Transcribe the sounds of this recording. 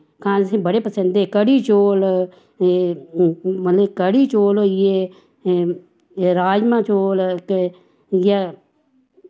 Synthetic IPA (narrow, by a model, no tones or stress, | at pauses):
kãːsĩbəɽepəsə̃nd̪ekəɽiːt͡ʃoːl | mət̪ləkəɽiːt͡ʃoːloje | ɾaːd͡ʒmãːt͡ʃoːlk | ja